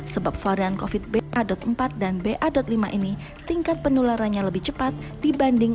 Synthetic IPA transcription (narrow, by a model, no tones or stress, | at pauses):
səbap̚faɾiankofɪt̪̚beʔadɔt̪̚əmpat̪̚danbeʔadɔt̪̚limaʔini | t̪iŋkat̪̚pənulaɾanɲaləbɪht͡ʃəpat̪̚dibandɪŋ